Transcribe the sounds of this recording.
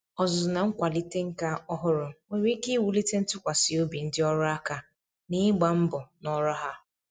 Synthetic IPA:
ɔ˨zʊ˨na˨ŋ̩˦kʷa˨li˦te˦ŋ̩˦ka˦ɔ˦ɦʊ˦ɾʊ˨e˨ɾi˦ki˦wu˨li˦te˦n̩˦tʊ˦kʷa˨si˨o˦bi˨n̩˦dɪ˦ɔ˦ɾʊ˦a˦ka˨ | ni˦ɡ͡ba˨m̩˦bʊ˨nɔ˦ɾɔ˦ɦa˦

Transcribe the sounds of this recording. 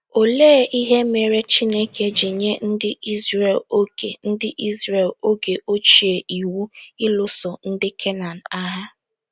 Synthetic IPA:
o˨leː˦ʔi˦ɦe˦me˨ɾe˦t͡ʃi˦ne˦ke˦d͡ʒi˨ɲe˦n̩˦dɪ˦i˦zɾe˨lo˦kḛ˨n̩˦dɪ˦ʔi˦zɾe˨lo˦ɡe˨ʔo˦t͡ʃi˨e˨ʔi˨wu˦ɪ˦lʊ˦sʊ˨n̩˦dɪ˦kʰe˦na˨n̩˨a˦ɦa˦

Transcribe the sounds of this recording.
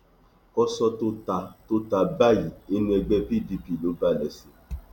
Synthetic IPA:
kɔ˦sɔ˧to˦ta˧to˦ta˨ba˦˨ji˨e˦nũ˦ɛ˧ɡ͡bɛ˧pi˦˨di˧pi˨lo˨˦ba˦˨lɛ˨se˨

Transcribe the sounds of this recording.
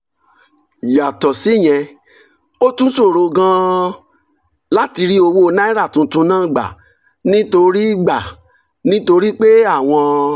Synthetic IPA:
ja˨tɔ˨si˨˦˨j̃ɛ̃˧ | o˦tũ˦so˦˨ɾo˧ɡã˦ | la˦ti˧ɾi˦o˧wo˧nã˦i˦ɾa˦˨tũ˧˦tũ˧˦nãː˦˨ɡ͡ba̰˨ | nĩ˦to˧ɾi˦ɡ͡ba˨ | nĩ˦to˧ɾi˦k͡pe˦a˦˨w̃ɔ̃˧

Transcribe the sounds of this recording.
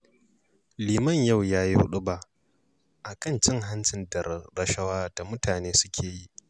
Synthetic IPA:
liː˨mɐ˦˨ɲjɐ˦˨wjaː˦ji˦hʊ̰˦ɗʊ˦baː˨ʔ | ʔa˨kɐ˦˨nt͡ʃɪ˦ŋɦa˦nt͡ʃɪ˨ndɐ˨ɾɐ˨ʃɐ˦waː˦d̥a˨mʊ˦taː˨neː˦sʊ̥˦kʲʰeː˨ji˦ʔ

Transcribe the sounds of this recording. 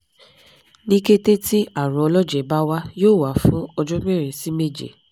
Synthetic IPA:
nĩ˦ke˦te˦ti˦a˦˨ɾ̃ũ˧˦ɔ˧lɔ˦d͡ʒɛ˨ba˦wa˦joː˦˨wa˨˦fũ˦ɔ˧d͡ʒɔ˦m˦ɛ˦˨ɾ̃ẽ˨si˨˦me˦˨d͡ʒḛ˨

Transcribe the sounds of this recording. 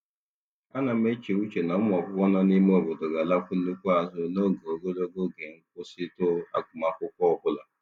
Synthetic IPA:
a˦na˨m˦e˦t͡ʃe˨u˦t͡ʃe˨na˨˦m˦˨ɔ˨bʊ˦kʷɔ˦nɔ˦ni˦m˦o˦˨bʊ˨dʊ˨ɡa˨la˦fʊ˦n̩˦nu˦kʷu˦a˨zʊ˦no˦˨ɡo˨o˨ɡo˦lo˦ɡo˦ɡe˨ŋ̩˦kʷʊ˦sɪ˦tʊ˦a̰˦kʷʊ˨ma˨kʷʊ˦kʷɔ˦˨bʊ˦la˨

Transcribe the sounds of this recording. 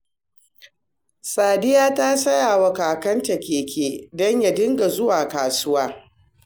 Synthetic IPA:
saː˨dɪ˦jaː˦taː˦sɐ˦jaː˨wɐ˨kaː˨kɐ˦nt͡ʃɐ˨kʲeː˨kʲeː˦dɔ˦ɲja˨dɪ˦ŋɡa˨zʊ˦waː˨kaː˨sʊ˦waː˦

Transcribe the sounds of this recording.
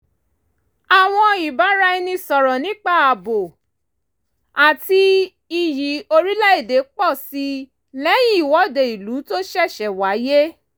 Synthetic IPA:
a˨w̃ɔ̃˧i˨ba˨˦ɾa˧i˧nĩ˧sɔ˨ɾɔ̃˨nĩ˨˦k͡pa˦˨a˨bo˨ | a˨ti˧ | i˧ji˨˦o˧ɾi˦la˦e˦˨de˨˦k͡pɔ˦˨si˧˦ | lɛ˨˦j̃ĩ˦˨wɔ˨˦˨de˨i˨lu˨˦to˦ʃɛ˦˨ʃɛ˨wa˨˦je˦

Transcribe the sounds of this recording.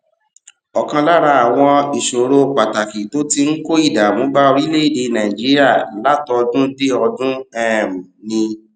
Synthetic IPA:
ɔ˨kã˧la˦ɾa˧a˨w̃ɔ̃˧i˨ʃo˨ɾo˧˨k͡pa˨ta˨ki˨to˨˦ti˧ŋ̩˦ko˦i˦˨da˨mõ˨˦ba˦o˧ɾi˦le˦i˦˨de˧˨nã˨i˨d͡ʒi˨˦ɾi˦a˦˨˦la˦tɔ˧dũ˦de˦ɔ˧dũ˦ɛ˦˨mũ˨nĩ˧

